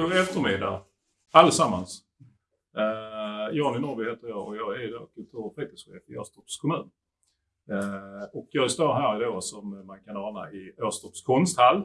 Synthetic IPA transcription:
ɛft̪əɾmɪd̪ːa̰ɾ | alːəsamːans | jɑːnɪnɔɾbɪheːt̪əɾjɑːɡɔjɑːɡæɾjd̪o̰ːkʰɵnt̪ʰuːɾpʰɾet̪əsɧḛːfo̰st̪ɔpskʰʊmʉ̟ːn | ɔkjɑːɡst̪oːɾɦæːɾd̪oːsɔmːankʰanɑːna̰ɪøːst̪ɔpskʰɔnst̪halː

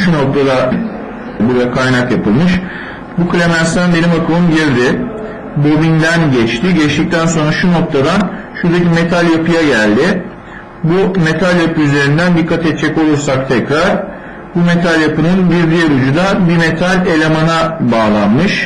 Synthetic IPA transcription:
ʃunok̚t̪ʰad̪a | buɾd̪akʰajnakjapɯlˠmɯʃ | bukʰɯlʲemænst̪ænbe̞nimakʰɯlˠɯnɟiɾd̪ɪ | bo̞bind̪ænɟɛt͡ʃt̪ʰɪɟɛt͡ʃt̪ic̚t̪ʰænso̞nɾaʃuno̞k̚t̪ʰad̪an | ʃuɾd̪acime̞t̪ʰalʲjapʰɯjaɟælʲd̪ɪ | bume̞t̪ʰalʲjapɯyze̞ɾind̪ænd̪ikʰːat̪ɛt̪̚t͡ʃʰɛco̞lˠuɾsak̚t̪ʰɛcɾaɾ̥ | bume̞t̪ʰalʲjapɯnɯnbiɾd̪ijeɾud͡ʒud̪abime̞t̪ʰalʲe̞lʲe̞manabaːlˠanmɯʃ

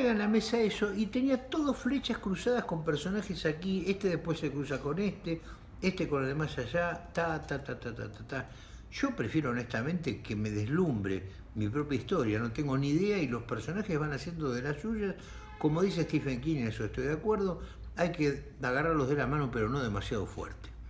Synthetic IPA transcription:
eɣaenlamesaeso̞ʔit̪e̞niat̪oðosflet͡ʃaskɾusaðahkompeɾso̞naxesakiest̪eðehpwesekɾusako̞nest̪e | est̪eko̞nalðemasaʒat̪at̪at̪at̪at̪at̪at̪a | ʒ̥o̞pɾefjeɾoːnest̪amẽnt̪ekeme̞ðezlumbɾḛ | mipɾo̞pjaist̪o̞ɾjano̞t̪eŋɡoniðeailo̞speɾso̞naxezβanasje̞nd̪oðelasuʒas | ko̞mo̞ðiseht̪ifeŋkinnesoeht̪o̞jðakweɾðo̞ | ajke | aɣaraɾlo̞ɦðe̞lamãnopeɾono̞ðe̞masjaðo̞̰fwɛ̰ɾt̪e̥

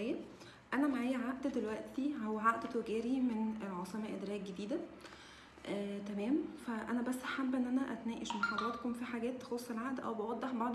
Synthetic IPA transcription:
æːjæ | ʔænæmaʕaːjæʕaʔd̪æd̪elwæʔt̪iʕowæʕaʔd̪æt̪weɡæːɾimenelʕɑsˤemæʔed̪ɾæːk̚ɡed̪iːd̪æ | ʔt̪æmæːmfæʔæ̰næbæsːħabːʔenːʔænæʔæ̰t̪næːʔeʃmɑħɑd̪ˤɑːt̪komfiħaɡæːt̪ːe̥xosˤːelʕaʔd̪ʔæ̰wbewɑd̪ˤːeħbɑʕd̪ˤ

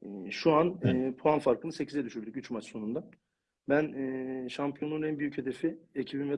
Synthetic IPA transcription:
ʃuanɯːpʰoanfaɾkʰɯnɯse̞cʰizɛd̪yʃyɾd̪ycyt͡ʃmat͡ʃso̞nund̪a | bænːʃampʰijo̞nunɛnbyjyche̞d̪e̞fiecʰibimvɛ

